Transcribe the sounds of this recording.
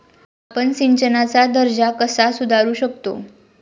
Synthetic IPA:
apənsiɲt͡ɕənat͡sad̪əɾd͡ʑakəsasud̪ʱaɾuːɕək̚t̪o̰

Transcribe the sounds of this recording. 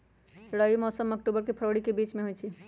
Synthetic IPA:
ɾəjimɔsəmək̚ʈubəɾkepʰəɾəɽikebit͡ʃmeɦojt͡ʃʰi

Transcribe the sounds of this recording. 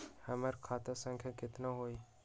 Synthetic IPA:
həməɾkʰaːt̪asə̃ŋkʰjakɪt̪naɦoːi

